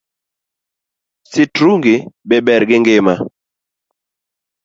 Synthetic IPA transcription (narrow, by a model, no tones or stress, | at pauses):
sitɾuŋɡibɛbɛɾɡiŋɡɪma